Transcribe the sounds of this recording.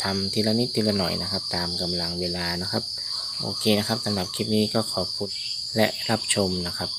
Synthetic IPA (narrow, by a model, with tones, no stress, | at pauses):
t̪ʰa˧mt̪ʰiː˧la˧ni˦˥t̪̚ːi˧la˧nɔ̰˨˩jna˦˥kʰa˦˥p̚t̪aː˨˧mka˧mla˧ŋweː˧laː˧na˦˥kʰa˦˥p̚ | ʔo̰ː˧kʰeː˧na˦˥kʰa˦˥p̚sa˧mna˨˩t̪̚kʰi˦˥˩t̪̚niː˦˥kɔː˥˩kʰɔː˨˩˦kʰu˧˩n̚ | lɛ˦˥ʔɾa˦˥p̚t͡ɕʰo˧mna˦˥kʰa˦˥p̚